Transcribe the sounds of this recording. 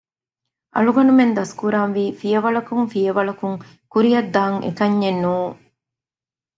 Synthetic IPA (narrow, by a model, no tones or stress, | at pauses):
ʔɐ̰ɭuɡɐnumend̪ɐskuɾaːnʋiːfijɐʋɐɭɐkuŋfijɐʋɐɭɐkuŋ | kuɾijɐd̪ːaːŋʔḛkɐɲːenːuːŋ